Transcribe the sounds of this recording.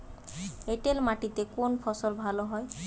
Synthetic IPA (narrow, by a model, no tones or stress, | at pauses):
eʈelmaʈit̪ekonpʰɔsɔlbʱaloɦɔe